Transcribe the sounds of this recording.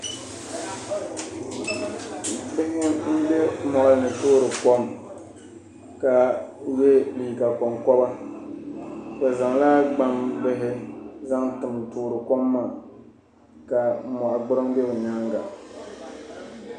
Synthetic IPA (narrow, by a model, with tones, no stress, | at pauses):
bɪ˦hɪ˦n̩˦be˦mɔ˨ʔa˨lnɨ˨tʊː˦ɾɨ˨kɔ˦m | ka˨we˦li˨ka˨kɔ˨ŋkɔ˦ba˦ | ka˨za˨ŋlaː˦ɡ͡ba˦mbɪ˦ɦɪ˦za˦ŋtɨ˨mtʊː˨ɾɨ˨kɔ˦mːaː˦˨ | ka˨mɔ˨ʔa˨ɡ͡bɨ˦ɾɨ˦mbe˦bɛ˨ɲa˦ŋɡa̰˨